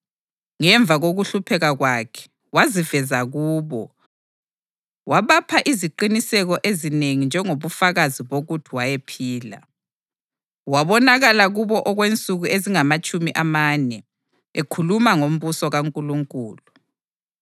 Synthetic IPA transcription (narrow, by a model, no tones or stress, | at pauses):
ŋɛɱvʱaɣoɣuɬupʰɛɣaɣwakʰɛ̥ | wazivɛzaɣuːβɔ | waβapʰaʔiziǃinisɛɣɔʔezineŋind͡ʒʱɛŋoβufaɣaziβoɣutʰiwajepʰiːla̰ | waβɔnaɣalaɣuβɔʔɔɣwent͡sʼuɣueziŋamat͡ʃʼumiʔamaːnɛ | ekʰulumaŋom̩βusɔɣaŋkʼuluŋkʼuːlu